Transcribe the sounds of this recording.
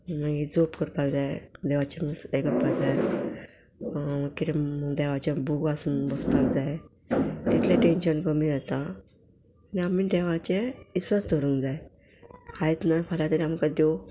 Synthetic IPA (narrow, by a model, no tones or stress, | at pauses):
məŋɡid͡zopkəɾpakd͡zaed̪eʋat͡ɕemisekəɾpaɡd͡zaj | kiɾed̪eʋat͡ɕebuɡasunbəspakd͡zaj | t̪it̪ʰleʈenɕənkəmid͡zat̪aː | niamiːd̪eʋat͡ɕeisʋasd̪ʱəɾũŋkd͡zaj | haet̪nafʰaljat̪əɾiamkad̪ew